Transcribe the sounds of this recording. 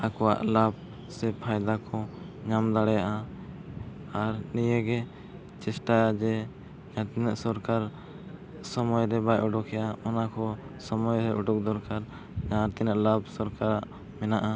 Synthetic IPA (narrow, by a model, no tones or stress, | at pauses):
akɔwa̰ʔlab̚ | sɛpʰajd̪akʰɔ̃ɲamd̪aɽɛjaʔa | aɾnijɛɡɛ | t͡ʃɛsʈajad͡ʒɛ | ɲãt̪inɛʔsɔɾkaɾ | sɔmɔjɾɛbajʔuɖɔkʰɛjaɔnakɔsɔmɔjɾɛʔuɖuk̚d̪ɔɾkaɾ | ɲãt̪inaʔlabsɔɾkaɾaʔ | mɛnaʔa